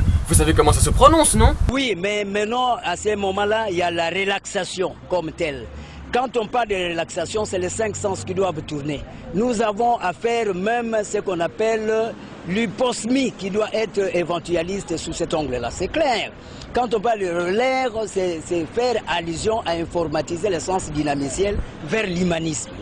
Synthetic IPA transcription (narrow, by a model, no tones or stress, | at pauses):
vusavekɔmɑ̃sasəpχɔnɔ̃snɔ̃wimɛmɛ̃nɑ̃asəmɔmɑ̃lailjalaʁelaksasjɔ̃kɔmt̪ɛl | kɑ̃t̪ɔ̃paʁld̪əʁelaksasjɔ̃sɛlɛsɛ̃ŋksɑ̃skid̪wavt̪uʁne | nuzavɔ̃ʔafɛʁmɛ̃msəkɔ̃napɛl | lypɔsmikid̪waʔɛt̪ʁəevɑ̃t̪yalist̪əsusɛt̪ɔ̃ɡləla̰sɛklɛʁ | kɑ̃t̪̬ɔ̃paʁld̪əʁəlɛʁsɛsɛfɛʁalyzjɔ̃ʔaɛ̃fɔʁmat̪izelesɑ̃sd̪inamisjɛlvɛʁlymanismə